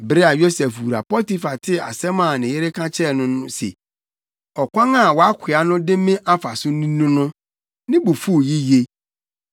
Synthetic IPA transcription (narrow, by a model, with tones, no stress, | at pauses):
bɾe˦a˨jo˦sɛ˨fwu˨ɾa˨pɔ˦ti˦fa˨tʰɪ˦a̰˨sɛ˦mã˨nɪ̃˨jɪ˦ɾɪ˦kʰã˦t͡ɕʰɛ˦nʊ̃˦nʊ̃˦sḛ˨ | ɔ˨kʷã˦ŋã˦˨wɔ˨˦a˦kʷʰɪ˨a˨nʊ̃˦dɪ̃˦mɪ̃˦ʔa˦fa˨sʊ˦nĩ˦nũ˦nʊ̃˦ | nɪ̃˦bo˨fu˦o˨ji˦je˦